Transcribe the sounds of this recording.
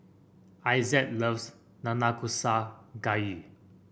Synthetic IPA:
ajzɛt̚ləvs | nanakʰusaɡaji

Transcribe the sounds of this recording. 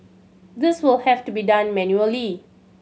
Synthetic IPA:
d̪ɪswɪlhɛftubidãnmɛ̃njuəli

